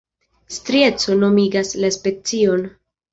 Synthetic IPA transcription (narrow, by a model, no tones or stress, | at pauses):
stɾie̞t͡so̞no̞miɡaslaspe̞t͡sio̞n